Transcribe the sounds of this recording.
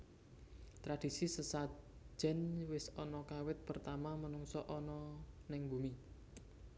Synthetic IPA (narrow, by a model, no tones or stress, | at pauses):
t̪ɾad̥isisəsḁd͡ʒ̥ɛ̤nwɪsɔnɔkawɪt̪̚pərt̪amamənuŋsɔʔɔnɔnɪŋbṳmi